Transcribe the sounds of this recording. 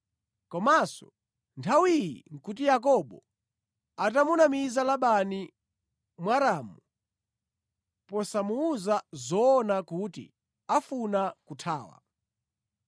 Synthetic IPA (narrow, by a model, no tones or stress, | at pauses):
kɔmasɔ̰ | ntʰawijḭŋ̩kut̬ijak̬ɔɓɔ | atamunamizalaɓani | mwaɾaːmu | pɔsamuːzazɔːnakutḭ | afunakutʰaːwa̰